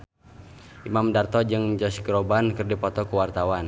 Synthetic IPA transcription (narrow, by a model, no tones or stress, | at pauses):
ʔimamdart̪ɔd͡ʒɨŋd͡ʒɔsɡɾɔbankərdipɔt̪ɔkuwart̪awan